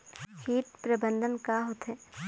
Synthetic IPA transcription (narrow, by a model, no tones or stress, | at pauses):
hiːʈ̪pɾəbə̃nd̪ʱənkaɦoːt̪ɦɛː